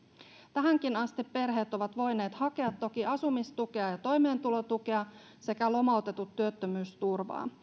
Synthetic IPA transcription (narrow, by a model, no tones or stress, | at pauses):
t̪æɦæŋk̟inɑst̪ipːe̞rɦe̞ːt̪o̞ʋɑt̪ʋo̞jne̞ːt̪hɑke̞ɑt̪ːo̞kiɑsumist̪uke̞ɑjɑt̪o̞jme̞ːnt̪ulo̞t̪uke̞ɑ | se̞kælo̞mɑˑut̪e̞t̪ut̪ːyøt̪ːømyːst̪urʋɑ̰ː